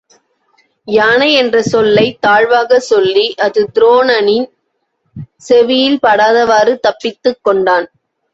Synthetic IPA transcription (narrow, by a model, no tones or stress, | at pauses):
jaːnɐɛndrɐsɔlːɐɪt̪aːɻʋaːɣɐsɔlːiʔɐðɯd̪ɪɾoːnɐnɪn | sɛʋɪjɪlpɐɽaːðɐʋaːrɯt̪ɐpːɪt̪ːɯkːɔɳɖaːn